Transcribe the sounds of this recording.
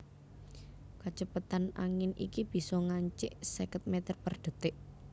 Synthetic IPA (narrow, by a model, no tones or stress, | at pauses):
kat͡ʃəpat̪ana̰ŋɪnḭkib̥i̤sɔŋaɲt͡ʃɪʔsekət̪̚met̪ərpərɖ̪̥ə̤t̪ɪʔ